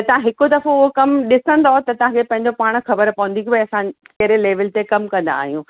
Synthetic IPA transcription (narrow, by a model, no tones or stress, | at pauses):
ɐt̪ɐʋ̤ãɦɪkod̪ɐfoʊɦokɐmɗɪsə̃nd̪oɦot̪ɐt̪ɐʋ̤ãkʰepɐ̃ɦɪ̃ɲ̆d͡ʑopaːɽ̃xɐbəɾpɐʋə̃nd̪ikʰːeɐsãkɐɦɾeleːʋəlt̪ekɐmkɐ̃nd̪a̰ːɦijũː